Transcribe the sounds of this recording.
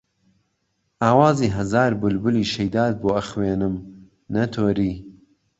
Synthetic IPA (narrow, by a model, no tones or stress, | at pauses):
ʔaːwaːziːɦɐzaːɾbʊlbʊliːʃɐjd̪aːd̪̚boːɐxweːnɨm | nɐt̪ʰoːɾiː